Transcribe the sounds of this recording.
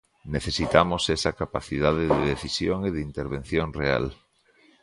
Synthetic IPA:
neθesit̪amosesɐkapaθiðaðeðeðeθisjoŋeðint̪eɾβẽn̟θjoŋrea̰l

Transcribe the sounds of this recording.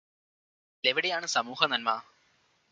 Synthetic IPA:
leʋiɽejaːɳɨsɐmuːhɐnɐnmaɐ

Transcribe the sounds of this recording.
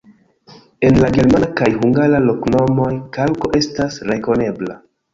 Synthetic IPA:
e̞nlaɡe̞ɾmakajɦuŋɡaɾalo̞kno̞mo̞jkalko̞ʔe̞stasɾe̞ko̞ne̞bla̰

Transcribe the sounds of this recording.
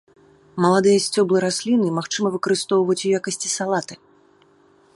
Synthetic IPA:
mɐlˠad̪ɨjɐsʲt͡sʲɔblˠɨɾasʲlʲinɨmaxt͡ʂɨmɐvɨkɐɾɨst̪ɔwvɐt͡sʲujakɐsʲt͡sʲisalˠat̪ɨ

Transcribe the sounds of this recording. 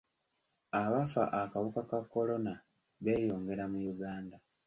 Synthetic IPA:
aβafa̰ʔakaβukakakːo̞lo̞na | βe̞ːjo̞ːŋɡe̞ɾamujuɡaːnda

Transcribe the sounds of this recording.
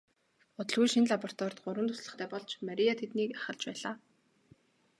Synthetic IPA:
ʊt̪ɞ̆ɮɣujʃinɮapɔr̥t̪wɔːrt̪ɢʊɾwə̆nt̪ʰʊ̥sɮə̆χt̪ʰæːpɔɮt͡ɕmaɾijat̪ʰet̪niːkḁχə̆ɮt͡ɕpæːɮaː

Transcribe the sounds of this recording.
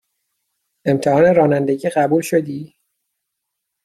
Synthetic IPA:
e̞mt̪ʰehɒːne̞ɾɒːnænd̪e̞ɟiːɢæbuːlʃo̞d̪iː

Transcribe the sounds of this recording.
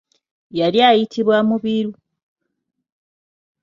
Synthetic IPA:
jaɾjaːjitʰiβwamuβiɾu

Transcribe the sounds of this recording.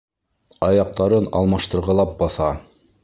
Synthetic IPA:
ɑjɑq̚t̪ɑɾɤnɑ̰lˠmɑʃt̪ɤ̆ɾʁɑlˠɑp̚bɑθɑ

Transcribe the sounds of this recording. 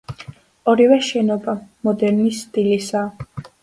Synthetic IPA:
ɔɾivɛʃɛnɔbamɔd̪ɛɾnisːt̪ʼilisaː

